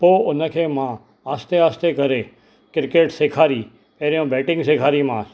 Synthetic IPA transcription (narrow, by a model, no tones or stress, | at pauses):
poːʊnəkʰeːmã | aːst̪eaːst̪ekɐɾe | kɪɾkeːʈseːkʰaːɾi | eɾijõbɛːʈɪ̃ŋɡseːkʰaːɾimãː